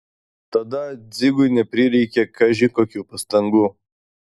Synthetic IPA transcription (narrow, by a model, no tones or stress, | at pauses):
t̪ɐd̪ɐd͡zʲɪɡujnʲɛpʲɾʲiɾʲɛkʲekʰɐʒikoːkʲuːpɐst̪ɐŋɡu